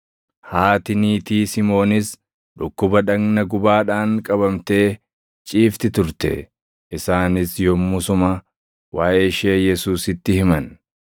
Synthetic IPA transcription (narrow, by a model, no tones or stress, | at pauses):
haːt̪ɪniːt̪iːsɪmo̞ːnɪs | ᶑʊkːʊbɐᶑɐɡnɐɡʊbaːᶑaːŋkʼɐbɐmt̪e̞ː | t͡ʃʼiːft̪ɪt̪ʊɾt̪ɛ̰ | ʔɪsaːnɪsjɔmːʊsʊmɐ | waːʔeːʃeːjɛsuːsɪt̪ːɪhɪmɐn